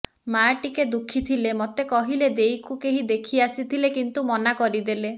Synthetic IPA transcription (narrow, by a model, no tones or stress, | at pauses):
maʈiked̪ukʰit̪ʰilemɔt̪ekɔɦiled̪ejkukeɦid̪ekʰiasit̪ʰilekint̪umɔnakɔɾid̪ele